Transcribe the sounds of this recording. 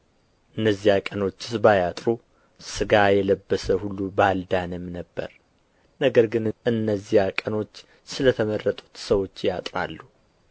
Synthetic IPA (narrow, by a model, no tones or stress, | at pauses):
ʔɨnːəzːihakʼəno̞t͡ʃːɪ̥sbajat̪ʼɾu | sɨɡajɛləbːəsəhulːubald̪anɨmnəbːə̰ɾ | nəɡəɾɡɨnɨnːəzːijakʼəno̞t͡ʃː | sɨlət̪ʰəmərːət̪ʼu̥t̪səwo̞t͡ʃːjat̪ʼɾa̰lːu